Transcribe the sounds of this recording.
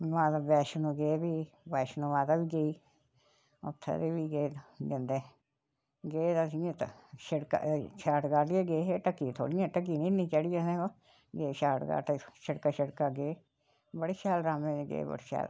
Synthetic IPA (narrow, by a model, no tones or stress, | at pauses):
ʋãːt̪aːbɛːʃnũːɡeːbiː | bɛːʃnũːʋãːt̪aːbiːɡeiː | o̰t̪ʰːḛːd̪iːbiːɡeːd̪ɪnd̪eː | ɡeːt̪asiãːt̪ʃəɽka̰ʃʰaːʈɡaːʈiẽːɡeːɦeːʈəkːiːt̪ʰo̰ːɽijãːʈək̬iːnĩːnĩːt͡ʃəɽijãːsẽːo | ɡeːʃaːʈɡa̰ːʈeʃəɽkaːʃəɽkaːɡeː | bəɽeːʃɛːlɾaːmẽːd͡ʒɡḛːbə̰ɽʃɛ̰ːl